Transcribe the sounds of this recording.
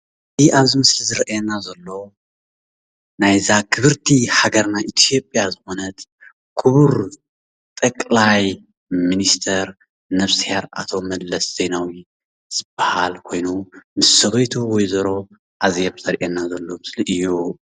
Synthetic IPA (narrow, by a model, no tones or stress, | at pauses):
iʔaβzimɨslizɨɾʔjɛnazɐlːo̞ | najzakʰɨβɨɾt̪ʰiħaɡɐɾnaʔit̪ʰijo̞pʼjazɨxonɐt̪ | kʰɨβuɾ | t̪ʼɐkʼlaj | minist̪ʰɐɾ | nɐβsheɾʔa̰t̪ʰo̞mɐd̪lɐsz̥ejnawi | z̥ɨbːahalkʰo̞jnumɨsːɐβɐjt̪ʰuwɔjzɐɾo̞ | ʔazjɛβzɐɾʔɛnazɐlːomɨsliʔɨjːu